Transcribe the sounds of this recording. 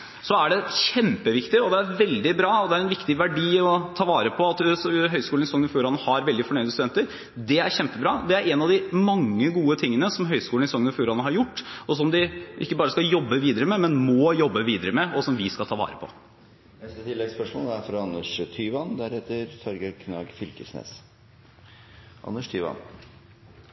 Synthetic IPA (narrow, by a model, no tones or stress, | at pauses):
sɔæɖɛçɛmpəʋɪkt̪ɪɔd̪ɛæɾʋɛld̪ɪbɾɑːɔd̪ɛæɾɛnʋɪkt̪ɪʋæɖiːɔt̪ʰɑːʋɑːɾəpʰɔɑt̪sɦœʏskuːlnɪsɔŋːənɔfjuːɾɑnːəhɑɾʋɛld̪ɪfɔɳœʏd̪əst̪d̪ɛnt̪əɾ | d̪ɛæɾçɛmpəbɾɑːd̪ɛæɾɛnɑʋd̪ɪmɑŋːəɡuːət̪ʰɪŋːənəsɔmɦœʏskuːlnɪsɔŋːənɔfjuːɾɑnːəɦɑɾjʊʈːɔs̬ɔmd̪ɪʔɪ̰kːəbɑːɾəskɑjɔbːəʋiːd̪əɾəmɛmɛnmɔjɔbːəʋiːd̪əɾəmɛɔsɔmʋɪskɑlt̪ʰɑːʋɑ̰ːɾəpʰɔ̰ | ɛst̪ət̪ʰɪlːɛɡspœʂmɔ̰ːlæfɾɑɑnːəʂt̪ʰyːʋɑnd̪æɾhɛːt̪əɾt̪ʰɔɾɡəkʰnɑ̰ːɡfɪlkəsnḛːs | ʔɑ̰nːəʂt̪ʰyːʋɑ̰n